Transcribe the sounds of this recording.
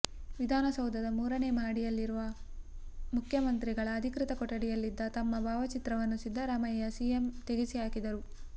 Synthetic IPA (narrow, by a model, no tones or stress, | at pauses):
ʋid̪ʱaːnɐsɐwd̪ʱɐd̪ɐmuːɾɐnemaːɽijɐlːiɾuʋɐ | mukʰjɐmɐnt̪ɾiɡɐɭɐːd̪ʱikɾit̪ɐkɔʈːɐɽijɐlːid̪ːɐt̪ɐmːɐbʱaːʋɐt͡ʃit̪ɾɐʋɐnːusid̪ːɐɾaːmɐjːɐsiːjemt̪eɡisijaːkid̪ɐɾu